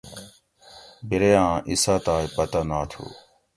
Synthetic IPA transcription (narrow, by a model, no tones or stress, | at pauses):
biɾeãːʔisaːt̪aːjpɐt̪anaːt̪ʰṵː